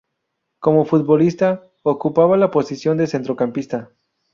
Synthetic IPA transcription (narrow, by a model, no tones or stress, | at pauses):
ko̞mo̞fut̪̚bo̞list̪a | okupaβalapo̞sisjo̞nd̪ese̞nt̪ɾo̞kampist̪a